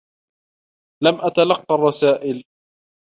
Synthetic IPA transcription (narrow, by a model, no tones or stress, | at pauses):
lamʔat̪alɑqːɑrˤːɑsaːʔɪl